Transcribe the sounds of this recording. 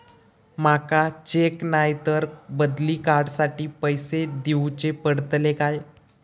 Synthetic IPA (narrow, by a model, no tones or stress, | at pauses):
makat͡ɕeknajt̪əɾbəd̪liːkaɾɖsaʈiːpəjsed̪iwt͡ɕepəɽt̪lekaj